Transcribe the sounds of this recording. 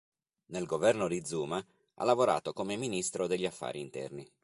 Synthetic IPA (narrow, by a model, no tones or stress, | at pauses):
nelɡovɛrnod̪id̪zuːma | ʔa̰lːavoɾa̰ːt̪okomeminist̪ɾod̪eʎːiafːa̰ːɾiːnt̪ɛ̰rni